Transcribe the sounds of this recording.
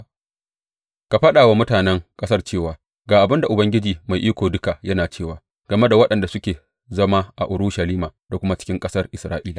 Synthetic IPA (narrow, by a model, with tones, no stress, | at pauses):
ka˨ɸɐ˦ɗaː˨wa˦mʊ˦taː˨nɛ˦ŋkʼɐ˦sɐ˦rt͡ʃeː˦˨waː˨ | ɡaː˨ʔa˨bɪ˦nda˨ʔʊ˨bɐ˦ŋɡʲɪ˦d͡ʒiː˨ma˨jʔiː˦kʷoː˨dʊ˦ka˨jɐ˦naː˨t͡ʃeː˦˨waː˨ | ɡ̥ɐ˨me˦da˨wɐ˦ɗɐ˨nda˨sʊ˦kʲeː˨ | zɐ˦ma˦ʔa̰˨ʔʊ˨ɾʊ˦ʃa˨liː˦maː˨da˨kʷʊ˦ma˦t͡ʃɪ̥˦kʲɪ˦ŋkʼɐ˦sɐ˦rʔɪ˨sɾaː˦ʔiː˦la˨